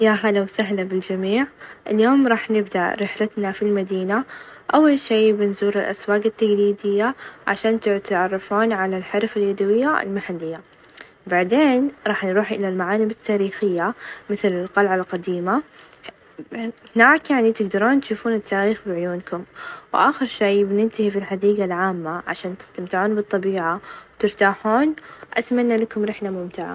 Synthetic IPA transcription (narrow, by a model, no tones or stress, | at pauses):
jaɦalawsaɦlabɪld͡ʒamiːʕʔɪljoːmɾˤɑːħnɪbd̪a̰ʔɾɪħlɪt̪nafilmad̪iːnaʔawːalʃiːbɪnzuːɾɪlʔa̰swaːɡɪt̪ːaɡliːd̪ɪjːaʕa̰ʃaːnt̪ɪt̪ʕɑrˤːɑfuːnʕalalħɪɾfɪljad̪awɪjːaɪ̰lmaħalːɪjːa | baʕd̪eːnɾˤɑːħnɾuːħʔɪlalmaʕaːnɪbɪt̪ʰːaːɾiːxɪjːamɪθlɪlqɑlʕalqɑd̪iːma | hɪnaːkjaʕnit̪ɪɡd̪ɑɾˤuːnt̪ʃuːfuːnɪt̪ːaːɾiːxbɪʕʊjuːnkʊmwʔaːxɪɾʃejbnɪnt̪ɪhifilħad̪iːɡalʕaːmːaʕa̰ʃaːnt̪ɪ̥st̪amt̪ɪʕuːnbɨt̪ˤːɑbiːʕawt̪ɪɾt̪aːħuːnʔa̰t̪manːalakʊmɾɪħnamʊmt̪ɪʕa̰